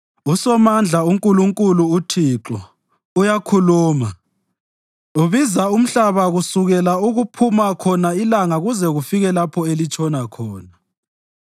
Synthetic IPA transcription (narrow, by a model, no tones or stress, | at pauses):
usɔmand͡ɮʱauŋkʼuluŋkʼuluutʰiǁɔ | ujakʰuluːma | uβizaum̩ɬaβaɣusuɣɛlauɣupʰumakʰɔnailaŋaɣuzɛɣufiɣɛlapʰɔelit͡ʃʰʼɔnakʰɔːna